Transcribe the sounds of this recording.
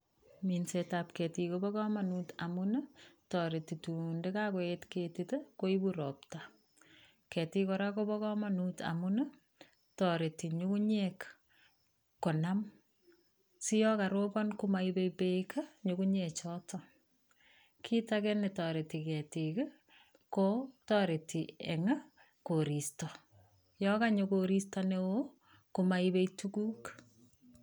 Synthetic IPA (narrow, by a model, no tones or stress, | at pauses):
minsetap̚kɛtikobɔkɔmanutamunətɔɾetitundekakoetketitekoibuɾɔp̚ta | kɛtikɔɾakobɔkɔmanuta̰munə | tɔɾetiɲukuɲɛk | kːonam | sijɔkaɾobɔnkumaibepekɲʊkuɲɛt͡ʃɔtʰɔ | kʰitakenetɔɾetikɛtikə | kotɔɾetiḛŋa | koɾistɔ | jɔkaɲokoɾistɔnewo | kumaibeitukuːk